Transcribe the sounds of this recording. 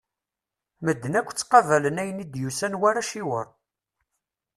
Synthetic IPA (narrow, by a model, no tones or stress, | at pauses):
məd̪ːənækʷːt͡sːqɑvælənæjənid̪jusænwaɾæʃiwəɾˤ